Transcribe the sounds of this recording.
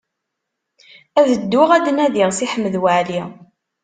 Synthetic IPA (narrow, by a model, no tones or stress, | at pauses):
æðəd̪ːʊʁæd̪næðiʁsiħəmːðwaʕli